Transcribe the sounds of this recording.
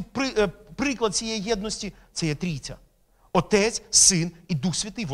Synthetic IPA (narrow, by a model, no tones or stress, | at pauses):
pɪpɾɪklˠɐd̪̚t͡sʲijɛjijɛd̪̚nɔsʲtʲi | t̪sɛjɛt̪ɾʲit͡sʲɐ̰ | ɔt̪ɛt͡sʲsɪnid̪uxsʲʋʲɐt̪ɪjʋ